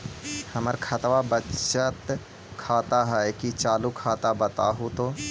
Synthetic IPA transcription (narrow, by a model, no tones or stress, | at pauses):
həməɾkʰɐt̪ʋabət͡ʃət̪ | kʰaːt̪aɦɛkit͡ʃaːlukʰaːt̪abɐt̪a̰ɦut̪oː